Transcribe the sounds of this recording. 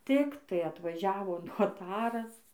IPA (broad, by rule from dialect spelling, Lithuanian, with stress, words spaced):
ˈtʲɪktɐɪ ɐtʋɐˈʒʲæːʋoː noːˈtɑːrɐs